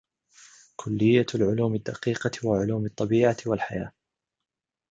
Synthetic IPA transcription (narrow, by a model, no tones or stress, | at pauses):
kʰʊlːɪjːalʕʊluːmɪd̪ːaqiːqɑwaʕʊluːmɨt̪ˤːɑbiːʕawalħajaː